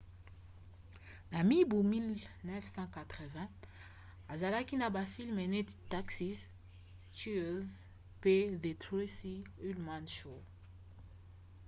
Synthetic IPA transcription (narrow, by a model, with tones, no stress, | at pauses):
na˨mi˦bu˨mi˦lnɛ˦fsɑ̃˦ka˨tʁə˨vɛ̃˦ | a˨za˨la˦ki˦na˨ba˨fi˦lme˨ne˦tta˦ksi˦s | tu˦z | pe˦de˨tʁo˦si˦y˦lma˦nʃo˨